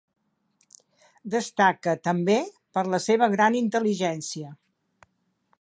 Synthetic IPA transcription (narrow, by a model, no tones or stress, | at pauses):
d̪əst̪akət̪əmbe | pəɾləseβ̞əɣɾanint̪əliʒɛnsiə